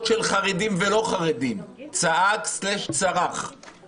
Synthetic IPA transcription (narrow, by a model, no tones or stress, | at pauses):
tʃelχaʁedimvelo̞χaʁedimt͡saʔakslɛʃt͡saʁaχ